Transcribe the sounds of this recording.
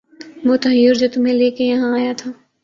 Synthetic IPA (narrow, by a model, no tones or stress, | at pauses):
ʋoːt̪ɐɦjʊːɾd͡ʒoːt̪ʊmɦẽleːkejɐɦãaːjat̪ʰaː